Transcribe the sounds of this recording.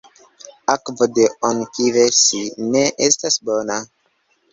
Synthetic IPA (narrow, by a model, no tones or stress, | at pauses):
akvodeonkivesineʔestasbo̞na